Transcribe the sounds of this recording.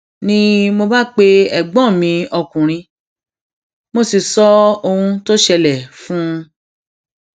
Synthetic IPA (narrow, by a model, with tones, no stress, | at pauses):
nĩ˦mo˧ba˦k͡pe˦ɛ˨ɡ͡bɔ̃˦˨mĩ˧ɔ˧kũ˨ɾ̃ĩ˧ | mo˧si˨sɔ˨˦o˧hũ˧to˦ʃɛ˧lɛ˨fũ˦˧